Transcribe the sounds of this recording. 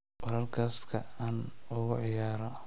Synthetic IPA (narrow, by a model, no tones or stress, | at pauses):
wɑlɐrkʰɐst̪kʰɐaːnʊɣʊʕɪjaːɾɔ